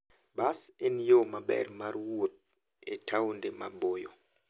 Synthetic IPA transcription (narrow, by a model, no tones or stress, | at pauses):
basenjomabɛ̰rmarwot̪̚ | etʰaundemabojɔ